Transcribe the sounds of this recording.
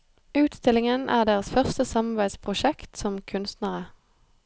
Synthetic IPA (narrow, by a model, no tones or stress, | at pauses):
ʉːt̪st̪ɪlɪŋənʔæ̰ːʁd̪eːʁəsfœʁst̪əsɑmɑʁbæɪd̪spʰʁʊʃɛkt̪sɔmkʰʉnst̪nəʁə